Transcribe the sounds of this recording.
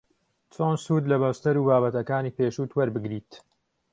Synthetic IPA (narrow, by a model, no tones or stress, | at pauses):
t͡sʰoːnsuːd̪lɐbɐwst̪ɐɾuːbaːβɐt̪ɐkaːniːpeːʃuːt̪ʰwɐɾbɨɡɾiːt̪